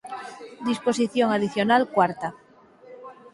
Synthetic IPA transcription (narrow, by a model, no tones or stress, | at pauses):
d̪isposiθjoŋaðiθjonalkwaɾt̪a